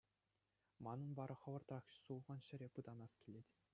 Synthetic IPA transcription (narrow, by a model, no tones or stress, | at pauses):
mɑnɤ̆nbɑɾʔɤ̆χɤ̆ʋɤ̆rt̪rɑχɕsulˠʁɑnɕɘ̆ɾʲepɯd̪ɑnɑskʲilʲetʲ